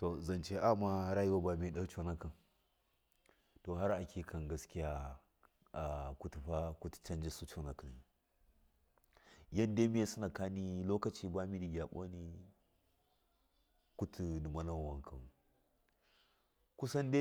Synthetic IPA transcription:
to˨zɐ˨nt͡ʃe˦ʔa˦ma˦ɾa˦ji˦wa˦ba˨mi˨˦˨ɗa˦t͡ʃo˦na˦kɐ˨n | to˨ɦa˦ɾa˨kʲʰi˨kʰɐ˨nɡa˦skʲi˦ja˦ | a˨ku˦tu˨ɸa˦ku˦tu̥˨t͡ʃɐ˦nd͡ʒi˦su˦t͡ʃo˦na˨ka˨n˨ | ja˦n˦de˦mi˦je˦su˦na˨ka˦ni˦lo˦kɐ˨t͡ʃi˦ba˦mi˦di˨ɡʲa˨ɓo̰˦ni˦ | ku˦tʰu˨du˨ma˦na˦wa˨ŋkʰɐ˨n˨ | ku˦sɐ˦nde˦

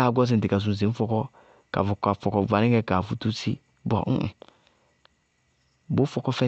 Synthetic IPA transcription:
a˦˨ɡʷɔ˦z̬i˨n̩˨i˨ka˨z̬u˨ze˨˦fɔ˦kɔ˦ | ka̰˨vu˨ka˨fɔ˨kɔ˨va˨˦i˦ɡɛ˦ka˨fu˦tu˦t͡sḭ˦ | bɔ̰˨ŋ̩̰˦ʔ̩˨ | bo˨˦fɔ˦kɔ˦fɛ˦

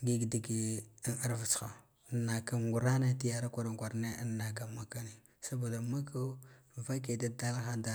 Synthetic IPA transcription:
ɡi˦ɡdi˨ɡi˦na˦ɾvu˨t͡sxa˨˦ | nːa˨ka˦ŋɡu˨ɾa˦na˦ti˦ja˨ɾa˦kʷa˨ɾa˨ŋ˨ɡʷa˨ɾne˦ə˦nːa˨ka˨ma˨ka˦ni˨ | sa˦bo˨da˨ma˦ka˦va˦ke˨da˦da˦lxa˦da˨˦

